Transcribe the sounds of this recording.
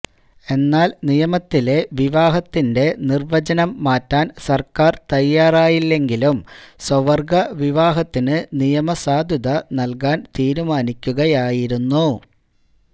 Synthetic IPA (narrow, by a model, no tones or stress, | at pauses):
e̞nːaːlnijɐmɐt̪ːile̞ʋiʋaːɦɐt̪ːinde̞nirʋɐt͡ɕɐnɐmːaːtːaːnsɐrkaːrt̪ɐjːaːraːjilːe̞ŋɡilumswɐʋɐrɡɐʋiʋaːɦɐt̪ːinɨnijɐmɐsaːd̪ʱjɐðɐnɐlkaːnt̪iːɾumaːnikʲːuɣɐjaːjiɾunːu